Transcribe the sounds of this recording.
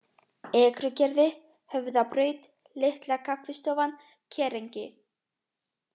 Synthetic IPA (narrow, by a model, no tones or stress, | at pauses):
ɛːkɾʏcɛɾðɪ | hœvðapɾœːɥt̪ | lɪht̪lakʰakvɪst̪ɔːvan | cʰɛːɾejɲcɪ